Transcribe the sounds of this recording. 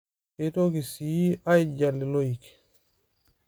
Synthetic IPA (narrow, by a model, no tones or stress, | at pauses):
ɛtokisijiajd͡ʒalːilojik